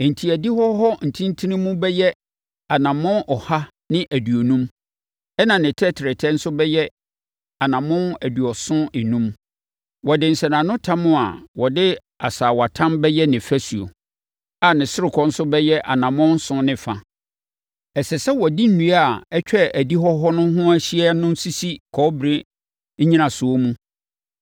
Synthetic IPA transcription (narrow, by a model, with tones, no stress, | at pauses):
n̩˨tʰi˨æ˨di˦hɔ˦hɔ˦n̩˨tʰĩ˦n˦tʰi˦nĩ˦mũ˦bɛ˦jɛ˦ | a˨nã˨mɔ̃˦ʔɔ˨ha˦ | nɪ̃˦ʔæ˨dɥo˨nũ˦m | ɛ˦nã˨nɪ̃˨tʰɛ˦tʰɪ˨ɾɪ˨tʰɛ˦n̩˦sʊ˦bɛ˦jɛ˦ | a˨nã˨mʊ̃˦næ˨du˨ɔ˨sʊ̃˦ɪ˨nũ˦m | wɔ˨dɪ˨n̩˨sɛ˨nã˨nʊ̃˦tʰã˦mʊ̃˦a̰˨wɔ˨dɪ˦ | a˨saː˨wa˨tʰã˦mbɛ˦jɛ˦nɪ̃˨fæ˦su˨o̰˨ | a˨nɪ̃˨sɪ˦ɾɪ˨kʰɔ˦n̩˦sʊ˦bɛ˦jɛ˦ʔa˨nã˨mʊ̃˦n̩˦sʊ̃˦nɪ̃˨fa˨ | ɛ˨sɛ˨sɛ˦wɔ˨di˦n̩˦˨nũ˨˦a˨ɛ˦t͡ɕᶣɛ˦æ˨di˦ɦɔ˦ɦɔ˦nʊ̃˦ɦʊ̃˦æ˦ɕi˦ɛ˦nʊ̃˦n˦si˦si˦kʰɔ˦bɾe˦ | ɲĩ˦nã˨sʊ˨o˦mũ˦